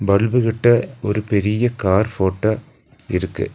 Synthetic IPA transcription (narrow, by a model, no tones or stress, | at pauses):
bɐlbɯɣɪʈːɐɔɾɯpɛɾɪjɐkaːɾfoːʈːɐ | ɪ̰ɾɯkːɯ̰